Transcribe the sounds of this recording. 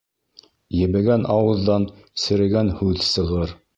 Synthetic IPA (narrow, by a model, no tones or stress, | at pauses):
jɘ̆βɘ̆ɡænʔɑwɤ̆ðːɑn | sɘ̆ɾɘ̆ɡænhʉðsɤ̆ʁɤɾ